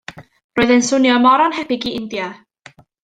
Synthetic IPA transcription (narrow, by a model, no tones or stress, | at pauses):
roːɨðɛnsʊnjɔmɔɾɔnɦɛpɪɡiɪndja